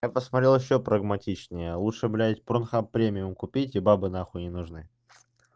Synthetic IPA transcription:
japəsmɐt̪ɾʲelˠjɪɕːopɾəɡmɐtʲit͡ɕnʲɪjəlˠutʂɨblʲæɪtʲpɾonxappːɾʲemʲɪʊmkʊpʲitʲibabɨnaxʊnʲɪnʊʐnɨ

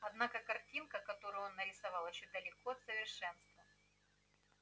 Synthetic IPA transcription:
ɐd̪nakəkɐrtʲinkəkɐt̪o̞ɾʊjo̞nːəɾʲɪsɐvɑlˠjɪɕːod̪əlʲɪkoɐt̪səvʲɪrʂɛn̪st̪və

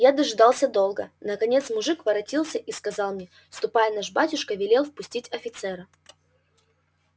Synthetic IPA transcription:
jad̪ɐʐɨd̪ɑlˠsʲəd̪o̞lˠɡənəkɐnʲe̞t̪smʊʐɨkvɐɾɐtʲilˠsʲəʔiskɐzɑlˠmnʲe | fst̪ʊpajənaʐbatʲʊʂkəvʲɪlʲelˠfpʊsʲtʲitʲɐfʲɪt̪sɛɾə

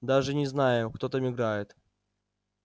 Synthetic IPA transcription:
d̪aʐɛɲɛznajɛ̃kt̪ɔt̪amʲiɡɾajɛt̪

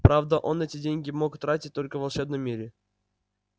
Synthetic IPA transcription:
pɾavd̪əʔo̞nɛtʲɪdʲenʲɡʲɪmokt̪ɾatʲɪt̚ʲt̪ːo̞lʲkəvɐlˠʂɛbnəmʲːiɾʲɪ

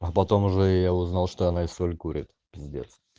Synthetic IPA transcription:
ɐpɐt̪omʊʐɛjaʊznalˠʂt̪oɐnaɪsolʲkuɾʲɪ̰t̪ʲ | ɪzʲdʲḛt̪s

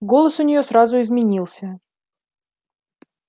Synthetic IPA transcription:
ɡo̞lˠəsʊnʲɪjo̞sɾazʊɪzmʲɪnʲilˠsʲə

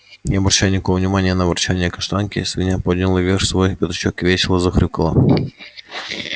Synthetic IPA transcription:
nʲɪɐbɾɐɕajnʲɪkovəvnʲɪmanʲɪjənɐːbɾɐt͡ɕanʲɪjəkɐʂt̪ankʲɪ̰svʲɪnʲapod̪ʲnʲɪlˠəvʲerʃsvojxpʲɪt̪ɐt͡ɕokvʲet͡ɕɪlˠəzɐxɾʲukəlˠə̰

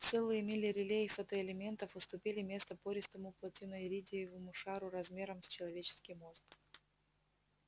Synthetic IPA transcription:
t̪sɛlˠɨjəmʲɪlʲɪɾʲɪlʲejɪfət̪əɪlʲɪmʲent̪əfɨst̪ʊpʲilʲɪmʲe̞st̪əpoɾʲɪst̪əmʊplˠɐtʲinəjɾʲidʲɪjəvəmʊʂaɾʊɾɐzmʲe̞ɾəmsʲt͡ɕɪlˠɐvʲet͡ɕɪ̥skʲɪjmo̞zk

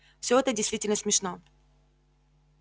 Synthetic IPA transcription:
fsʲɵɛt̪ədʲɪjst̪vʲitʲɪlʲnəsmʲɪʂno

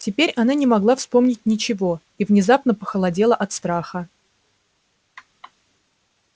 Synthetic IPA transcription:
tʲɪpʲeɾʲɐnanʲɪmɐɡlˠafspo̞mnʲɪt̚ʲnʲɪt͡ɕɪvo̞ | ivnʲɪzapnəpəxəlˠɐdʲe̞lˠəʔɐt̪st̪ɾaxə

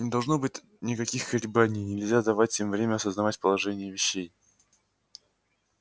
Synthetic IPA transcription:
nʲɪd̪ɐlˠʐno̞bɨtʲ | nʲɪkɐkʲixkəlʲɪbanʲɪjnʲɪlʲzʲad̪ɐvat̚ʲɪmvɾʲemʲəɐsəznɐvatʲpəlˠɐʐɛnʲɪjəvʲɪɕːej

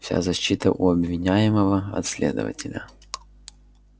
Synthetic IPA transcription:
fsʲa̰zɐɕːit̪əʔʊɐbvʲɪnʲæjɪməvəɐ̰t̪sʲlʲe̞d̪ə̰və̰tʲɪlʲə

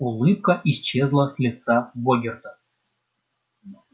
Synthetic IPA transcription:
ulˠɨp̚kəʔist͡ɕezlˠəsʲlʲɪt̪saboɡʲɪrt̪ə

